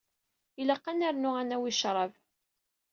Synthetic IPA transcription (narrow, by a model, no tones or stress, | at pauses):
iləqːanaɾnʊænæwiʃɾˤɑv